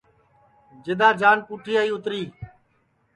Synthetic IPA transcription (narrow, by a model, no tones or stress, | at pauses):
d͡ʒɪd̪aːd͡ʒaːnpuːʈʰiːaːiːʊt̪ɾiː